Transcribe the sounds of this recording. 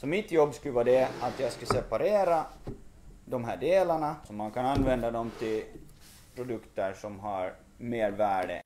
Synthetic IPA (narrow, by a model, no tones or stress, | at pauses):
sɔmɪt̪jɔbːskʉləvɑːd̪ɛat̪jɑːɡskasɛpaɾeːɾa | d̪ɔmɦæːɖeːlaɳasɔmankʰananːvɛnd̪ad̪ɔmt̪ʰɪl | pʰɾʊd̪ɵkt̪əʂɔmɦaɾ | meːɾvæːɖə̰